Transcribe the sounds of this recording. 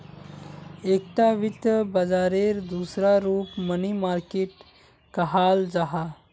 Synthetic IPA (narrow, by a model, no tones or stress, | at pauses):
ekʈ̪aʋit̪əbəd͡zaɾeɾd̪usɾaɾuːpmənimaɾkeːʈ | kəɦald͡zaɦa